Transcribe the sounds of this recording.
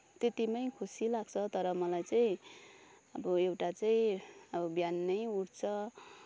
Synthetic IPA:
t̪et̪imʌjkʰusilaɡ̚t͡sʰʌt̪ʌɾʌmʌlajt͡saĩ | ʌbʌewʈat͡saĩʌbʌbjanːʌjuɽt͡sʰʌ

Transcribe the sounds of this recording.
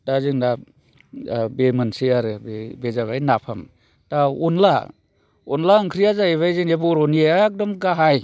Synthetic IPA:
dazɯŋna | bemɯnseaɾɯbebezaβajnapʰam | taɔnla | ɔnlaɯŋkʰɾijazaeβajzɯŋebɔɾɔnieak̚dɔmɡaɦaj

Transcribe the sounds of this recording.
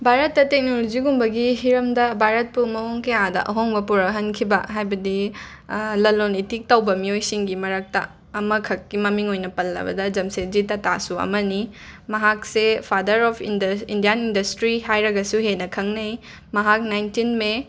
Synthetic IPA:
bʱaɾɐtːɐtek̚nolod͡ʒiɡumbɐɡihiɾɐmdɐbʱaɾɐt̚pumɐoŋkɐjadɐ̰ʔɐ̰ɦoŋbɐpuɾɐɦɐnkʰibɐɦajbɐdi | lɐlonitik̚tɐwbɐmiojsiŋɡimɐɾɐk̚tɐ̰ | ɐmɐkʰɐkːimɐmiŋojnɐpɐlːɐ̰bɐ̰dɐd͡ʒɐmsed͡ʒitɐta̰suɐ̰mɐnimɐɦak̚sepʰadɐɾɔpʰinindijanindɐstɾiɦajɾɐɡɐsuɦenɐkʰɐŋnɐj | mɐɦak̚najntinme

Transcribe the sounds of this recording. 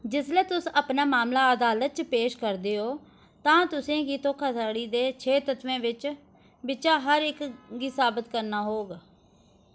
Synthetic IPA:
d͡ʒɪslɛːt̪ʊsəpnaːmaːmlaːəd̪aːlət̪̚t͡ʃpeːʃkəɾd̪eːoː | t̪ãːt̪ʊsẽːkiːt̪oːkʰaːsaːɽiːd̪eːt͡ʃʰeːt̪ət̪ʋẽːʋɪt͡ʃ | bɪt͡ʃaːɦəɾɪkɡiːsaːbət̪kəɾnaːɦoːɡ

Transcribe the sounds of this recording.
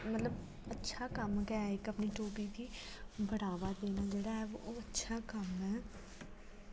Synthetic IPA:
mət̪ləb | ətːʃʰaːkəmkɛːɪkəpniːʈoːpiːd̪iːbʱəɽaːʋaːd̪eːnaːd͡ʒeːɽaːɛːoːətːʃʰaːkəmɦɛː

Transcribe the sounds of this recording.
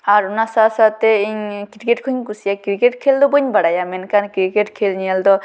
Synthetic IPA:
aɾunasasat̪eiɲkiɾikeʈkʰuɲkusijakɾikeʈkʰeld̪ɔbuɲbaɽajamenkankɾikeʈkʰelniald̪ɔ

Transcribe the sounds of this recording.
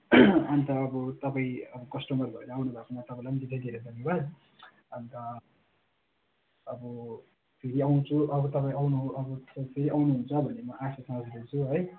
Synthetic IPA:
ant̪ʌːbʌt̪ʌpaĩʌbʌkʌsʈumʌrbʱʌeɾʌawnubʱakʰomat̪ʌpãilajmʌd̪id̪ʱed̪ʱeɾed̪ʱʌnjebad̪ | ʌnt̪ʌ | ʌbʌ | pʰeɾiaw̃t͡sʰuʔʌbʌt̪ʌp̬aĩawnuʌbʌpʰeɾiʔawnuɦunt͡sʰʌbʱʌnemʌʔasasʌmʌd͡zd̪et͡sʰuɦʌj

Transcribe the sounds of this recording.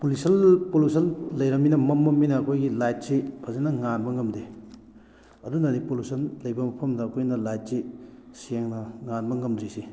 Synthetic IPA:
polisɐlpolusʰɐnlɐjɾɐminɐmɐmːɐmːinɐːkʰojɡilajt̚sipʰɐzenɐŋanbɐŋɐmde | ɐdunɐɾipolusɐnlɐjbɐmɐpʰɐmdɐːkʰojnɐlajt̚siseŋnɐŋanbɐŋɐmd̪ɾisi

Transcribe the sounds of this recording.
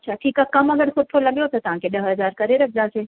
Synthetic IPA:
ɐtːʃʰaʈʰiːkakɐmɐɡəɾxʊd̪̚t̪ʰolɐɡjot̪at̪ɐʋ̤ãkeɗɐɦɦɐzaːɾkɐɾeɾɐk̚ʰd̪aːseː

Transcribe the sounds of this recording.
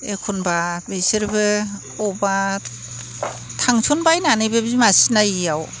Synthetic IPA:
ekʰunbabesɯɾbɯ | ɔba | tʰaŋsʰunbajnanɯjbɯbzimasinajiaw

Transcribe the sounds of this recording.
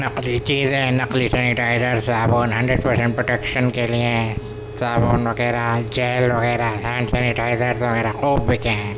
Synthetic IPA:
nɐqlit͡ʃiːzẽnɐqlisɛniʈaːɪzəɾsaːboːnɦɐ̃ɳɖɾeɖ̚pɐɾsẽɳʈ̚pɾoʈekʃənkeliẽ | saːboːnʋɐɡɛːɾad͡ʒɛːlʋɐɣɛːɾasɛ̃ːɳɖsɛniʈaːɪzəɾsʋɐɣɛːɾaqoːbːikẽ

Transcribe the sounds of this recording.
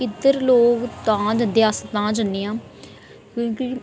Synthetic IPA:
ɪd̪əɾloːkt̪ãːd͡ʒənd̪east̪ãːd͡ʒənːeːãː | kõːki

